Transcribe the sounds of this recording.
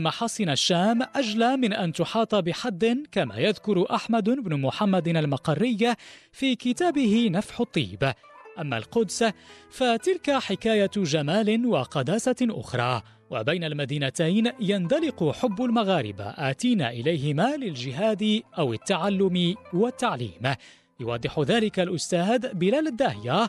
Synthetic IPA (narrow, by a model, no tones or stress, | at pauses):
maħɑːsˤɨnaʃːaːmʔad͡ʒlaːmɪnʔant̪ʊħɑːt̪ˤɑbɪħad̪ːɪnkama̰ːjaðkʊɾʔaħmad̪ɪbnʊmʊħamːad̪almɑqɑrːɪjː | fiːkɪt̪aːbɪhɪnafħʊt̪ˤːḭːb | ʔamːa̰lqʊd̪sfat̪ɪlkaħɪkaːjaʒamaːlɪnwaqɑd̪aːsaʔʊ̰xɾˤɑː | wa̰bajnalmad̪iːnat̪ajnjand̪ɑlɪqʊħʊbːʊlmaɣaːɾɪba̰ʔaːt̪iːnaʔɪlajɦɪmaːlɪld͡ʒɪɦaːd̪ɪʔawɪt̪ːaʕalːʊmɪwat̪ːaʕlḭːm | jʊwɑd̪ˤːɪħʊðaːlɪkalʔʊst̪aːd̪bɪlaːlad̪ːahja